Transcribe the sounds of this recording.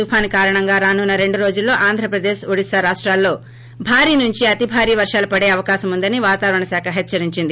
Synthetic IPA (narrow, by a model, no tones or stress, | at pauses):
upʰaːnikaːɾɐɳɐŋɡaːɾaːnunːɐɾe̞ɳɖuɾo̞ːd͡ʒulːo̞ːʔaːnd̪ʱɾɐpɾɐd̪e̞ːʃoɽisɐɾaːʂʈɾaːlːo̞ː | bʱaːɾiːnuɲt͡ʃiɐt̪ibʱaːɾiːʋɐɾʂaːlɐpɐɽe̞ːɐʋɐkaːʃɐmund̪ɐniʋaːt̪aːʋɐɾɐɳɐsaːkʰɐɦɛt͡ʃːɐɾiɲt͡ʃind̪i